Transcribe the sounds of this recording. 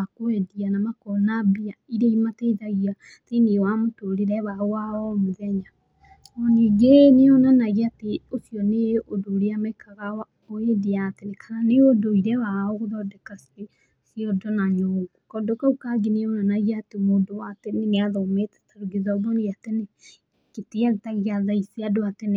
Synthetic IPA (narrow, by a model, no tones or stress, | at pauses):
akoɛdianamakɔnabiaiɾeimatɛiðaɣia | tenewamotoɾeɾɛwaowaɔmoðɛɲa | ɔniɡeneɔnanaɣiateosijɔneʔodoːɾeamɛkaɣawa | oedeatenekʰaɾaneodoiɾɛwaɔɣoðɔdɛkasiɾe | siɔdɔnaɲɔɣukɔdokaukaɡeneonanaɣiaːtemoːndowateneŋeaðɔmetɛ̥taɾuɡezaoβɔniatene | keteaɣetaɣiaðaiseadoatene